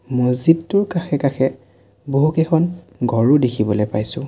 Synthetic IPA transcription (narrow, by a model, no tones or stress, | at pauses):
mozidtʊɹkaxʰɛkaxɛ | boɦukɛkʰɔn | ɡʱɔɹudekʰibɔlojpajsʊ̃